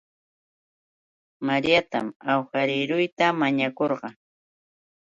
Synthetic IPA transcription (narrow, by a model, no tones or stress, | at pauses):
maɾjat̪a̰mawxaɾɪɾʊjt̪amaɲakoɾɢɑ